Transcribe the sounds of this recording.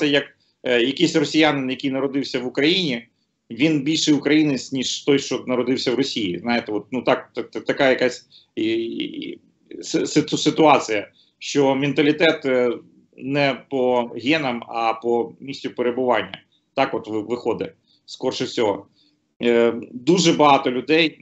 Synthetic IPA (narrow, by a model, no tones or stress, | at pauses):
sɐjɐk | jɐkʲisʲrɔsʲɪjanɪnjɐkʲijnɐɾɔd̪ɪwsʲɐʋʊkɾɐjinʲi | ʋʲinbʲilʲʃɛjʊkɾɐjinɪsʲtʲnʲiʃt̪ɔjʃt͡ʃɔnɐɾɔd̪ɪwsʲɐwrɔsʲijiznɑjɪt̪ɛɔt̪̚nut̪ɑkt̪t̪ɐkajɐkasʲ | ssɪt̪sɪt̪ʊɑt͡sʲɨjɐ | ʃt͡ʃɔmʲɪnt̪ɐlʲɪt̪ɛt̪ | nɛpɔɦʲɛnɐmɐpɔmʲisʲtʲʊpeɾebʊʋɑnʲːɐ̰ | t̪ɑkɔt̪ʋʋɪxɔd̪ɪ | skɔrʃʊsʲɔɦɔ | d̪uʒɛbɐɦɑt̪ɔlʲʊd̪ɛj